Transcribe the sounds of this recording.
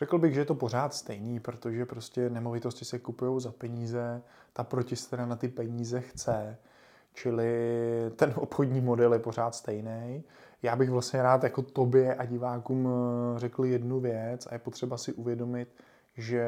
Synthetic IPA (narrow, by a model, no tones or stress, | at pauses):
r̥ɛkl̩bɪɣʒɛjɛt̪opo̞ɾ̝aːt̪st̪ɛjniːpɾot̪o̞ʒɛpɾoscɛnɛmo̞vɪt̪o̞scɪsɛkupujo̞wzapɛɲiːzɛ | t̪apɾo̞cɪsɛ̥t̪ɛɾanat̪ɪpɛɲiːzɛxt͡sɛ | t͡ʃɪlɪt̪ɛnʔopxodɲiːmo̞dɛljɛpo̞ɾ̝aːt̪st̪ɛjnɛj | jaːbɪɣvlasɲɛɾaːt̪jako̞t̪o̞bjɛʔaɟɪvaːkuːmrɛkl̩jɛdnuvjɛt͡sa̰jɛpot̪r̥ɛbasɪʔuvjɛdo̞mɪt̪ | ʒɛ